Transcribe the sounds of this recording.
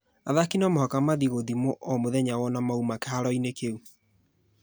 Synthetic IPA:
aðakinɔmɔhɔkamaðiɣoðimoʔɔmoðɛɲawɔnamaumakɛhaɾɔinekeu

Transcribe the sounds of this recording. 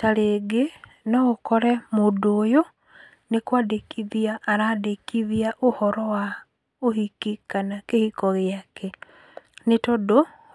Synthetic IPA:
taleɡe | noɣokoɾɛmudoːjo | nekwaːdekʰiðiaːɾadekiðjaʔuhɔɾowa | ohikikanakehikoɣjake | netodo

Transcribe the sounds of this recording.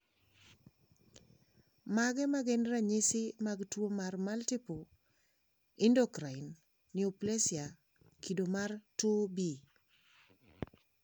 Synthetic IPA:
maɡɛmaɡɛnɾaɲɪsɪmaɡtwomarmaltɪpo | ɪndokɾaɪn | nɪɔplesja | kʰidomartobi

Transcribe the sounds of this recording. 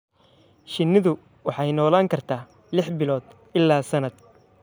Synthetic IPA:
ʃɪnːɪðʊ | wɑħɑjnɔːlaːŋkʰɐrt̪ʰaː | lɪħbɪlɔːd̪ | ɪlːaːsɐnɐd̪̚

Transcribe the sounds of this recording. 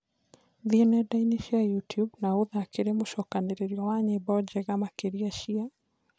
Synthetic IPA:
ðiɔnɛdainiʃiajutjubnauðakeɾemuʃɔkaneɾeɾjɔwaɲɛbɔd͡ʒɛɣamakeɾiaʃia

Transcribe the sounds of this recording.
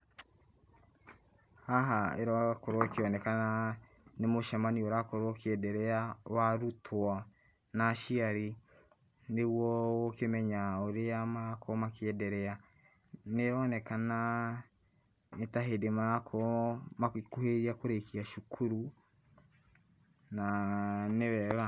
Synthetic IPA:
haɦaḛɾɔkoɾokeɔnɛkana | nemoʃamanioɾakoɾokeɛdɛɾɛawaɾutʰwɔ | naʃiaɾi | newɔwokemɛɲaoɾeamaakʰomakeɛdɛɾɛa | neɾɔnɛkana | etaɦedemaakʰɔmakuheɾiakoɾekiaʃukʰuɾu | naneβɛβa

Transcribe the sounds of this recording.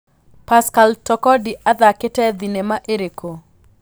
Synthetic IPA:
paskaltɔkɔdiʔad̪akɪtɛd̪inemaʔeɾeko

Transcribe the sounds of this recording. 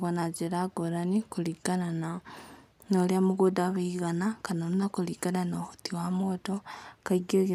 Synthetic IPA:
ɣonaɟeɾaɡoɾanikuliɡanana | noljamuɡudaβiiɣanakanomnakuliɡananoxu̥tiwamotokaiɡiɣi

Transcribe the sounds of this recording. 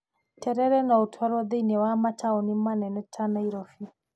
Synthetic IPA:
tɛɾɛɾɛnɔutʰɔɾɔðeinɛwamat͡ʃaɔnimanɛnɛtʰanaiɾɔfi

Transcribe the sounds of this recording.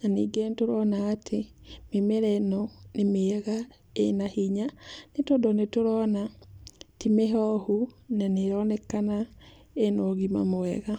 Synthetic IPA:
naniːɡentoɾɔnaːtʰememeɾɛnɔnemeɣa | enahiɲanetɔdɔnetoɾɔna | timeɦɔhunaneɾɔnɛkana | enɔɣima̰moɛɣa

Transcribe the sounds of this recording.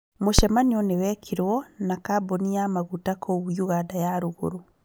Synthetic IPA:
moʃɛmaɲiɔnewɛkʰiɾwɔnakabonijamaɣutakʰɔβjuɣadajaɾoɣo̰ɾo

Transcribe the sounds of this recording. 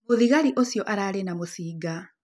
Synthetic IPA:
uðiɣaɾiʔosjoʔaɾaːlenamusiːɡa

